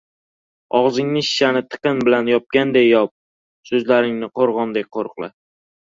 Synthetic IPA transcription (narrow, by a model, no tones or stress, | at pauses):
ɒʁzɪŋnɪʃɪ̥ʃanɪt̪ʰɨ̥qɨnbɪlanjɒp̚kʲand̪ejːɒp̚ | sɵzlaɾɪŋnɪqʰoɾʁɒnd̪ek̚ʲqʰoɾqlˠɪ̰